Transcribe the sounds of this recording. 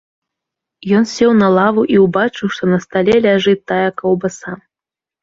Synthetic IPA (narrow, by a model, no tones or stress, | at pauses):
jɔnsʲɛwnɐlˠavuʔiwbat͡ʂɨwʂt̪ɔnɐst̪alʲɛlʲaʐɨt̪ːajɐkɐwbɐsa